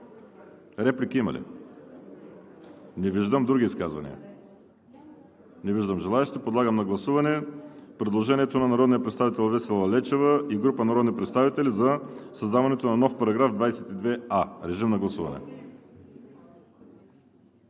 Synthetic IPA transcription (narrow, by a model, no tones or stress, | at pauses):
ɾɛplikiimɐ̰lḭ | nɛviʒd̪əmd̪ɾuɡ̟ʲiːskazvɐ̰nḭə̰ | nɛviʒd̪əmʒɛlˠaɛʃt̪ipod̪lˠaɡəmnɐɡlˠɐsuvɐnɛpɾɛd̪lˠoʒɛniɛt̪onɐnɐɾɔd̪nijəɐpɾɛt̪st̪avit̪ɛlˠvɛsɛlˠɐlɛt͡ʃɛvəiɡɾupənɐɾɔd̪nipɾɛt̪st̪avit̪ɛlizɐsɐzd̪avɐnɛt̪onɐnɔfpɐɾɐɡɾavd̪vajsɛt̪id̪vɛaɾɛʒimnɐɡlˠɐsuvɐ̰nɛ̰